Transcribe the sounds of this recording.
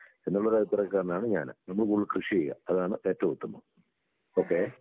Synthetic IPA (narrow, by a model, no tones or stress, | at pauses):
enːuɭːɐðat̪irɐkːaːrnaːɳɨɲa̰ːnɨ̰nɐmːɐɭkuɭːɨkrɨʂijeɣɐ̰ɐðaːɳɨʔeːtːɐʋɐut̪ːɐmːo | o̞ːkːe